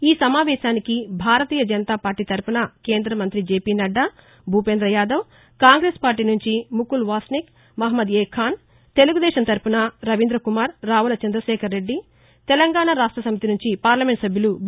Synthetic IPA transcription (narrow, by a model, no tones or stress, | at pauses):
iːsɐmaːʋɛːʃaːnikibʱaːɾɐt̪iːjɐd͡ʒɐnɐt̪aːpaːɾʈiːt̪ɐɾpunɐke̞ːnd̪ɾɐmɐnt̪ɾid͡ʒeːpiːnɐɖːɐ | bʱuːpend̪ɾɐjaːd̪ɐw | kaːŋɡɾeːspaːɾʈ̬iːnuɲt͡ʃimukulʋaːsnik | mɐɦɐmɐd̪eːkʰaːn | t̪e̞luɡud̪ɛːʃɐmt̪ɐɾpunɐɾɐʋind̪ɾɐkumaːɾːaːʋulɐt͡ʃɐnd̪ɾɐʃɛːkʰɐɾːe̞ɖːi | t̪ɛlɐŋɡaːɳɐɾaːʂʈɾɐsɐmit̪inuɲt͡ʃipaːɾlɐme̞ɳʈsɐbʱjulu